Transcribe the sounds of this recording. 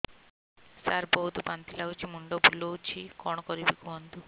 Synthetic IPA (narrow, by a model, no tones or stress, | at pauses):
saɾbɔɦut̪upant̪ilaut͡ʃʰimuɳɖɔbulːɔwt͡ʃʰikɔɳɔkɔɾibikuɦɔnt̪u